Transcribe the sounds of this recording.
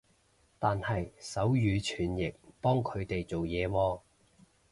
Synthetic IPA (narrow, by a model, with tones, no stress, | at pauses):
t̪aː˨nhɐ˨jsɐ˨˥wjyː˨˧t͡ʃʰyː˨˩njɪ˨k̚pɔː˥ŋkʰɵ˨˧ɥt̪e˨jt͡so˨wjɛː˨˧wɔː˧